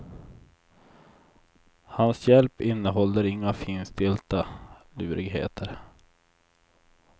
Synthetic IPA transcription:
hansjɛlpɪnːəɦɔlːəɾɪŋːafiːnst̪ɪlt̪alʉːɾɪɡɦḛːt̪ʰəɾ

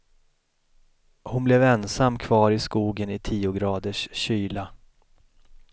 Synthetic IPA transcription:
hʊnblɛvɛnsamːkʰvɑːɾɪskuːɡənɪt̪ʰiːʊɡɾɑːd̪əʂɕyːla

